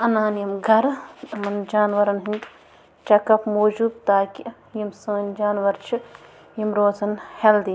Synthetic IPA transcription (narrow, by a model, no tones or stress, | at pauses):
ɐnaːnjimɡʱɐɾɐmɐnd͡ʒaːnʋɐɾɐnɦinʲ | t͡ʃɐkɐpmoːd͡ʒuːbt̪aːkʲi | jimsɐ̃ːnd͡ʒaːnʋɐɾt͡ʃʰi | jimɾoːzɐnheld̪i